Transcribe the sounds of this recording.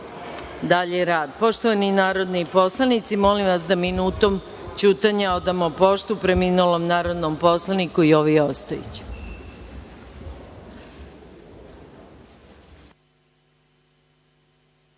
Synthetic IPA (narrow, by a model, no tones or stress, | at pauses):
d̪aʎeɾaːd̪po̞ʃt̪oʋaninaːɾo̞d̪nipo̞slˠanit̪simolimʋasd̪aminuːt̪o̞m | t͡ɕuːt̪aɲao̞d̪amopo̞ʃt̪upɾemiːnulomnaːɾo̞d̪nompo̞slˠanikuio̞ʋiost̪ojḛt͡ɕi̥